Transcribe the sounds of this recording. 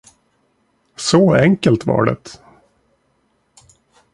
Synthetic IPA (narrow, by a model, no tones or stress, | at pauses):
sɔɛŋkəlt̪va̰ɖɛ̰t̪